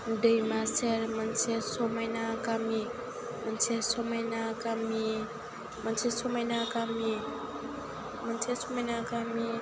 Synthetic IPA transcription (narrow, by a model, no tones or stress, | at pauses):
dəjmaseɾmansesomajnakami | mənsesomajnakami | mansesomajnakami | mansʰesomajnakami